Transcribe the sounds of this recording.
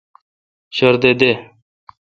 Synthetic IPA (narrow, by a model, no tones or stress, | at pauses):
ɕɐɾd̪ed̪e